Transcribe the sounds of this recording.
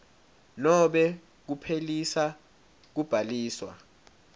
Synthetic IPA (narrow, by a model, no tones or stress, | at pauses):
nɔɓɛ | k̬upʰelisa | k̬ub̥ʱaliːswa̰